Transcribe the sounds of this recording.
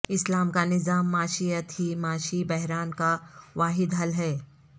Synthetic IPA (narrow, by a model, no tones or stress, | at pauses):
ɪslaːmkanɪzaːmːaːʃijət̪ɦimaːʃibɛɦɾaːnkaʋaːɦɪd̪ɦɐlɦɛː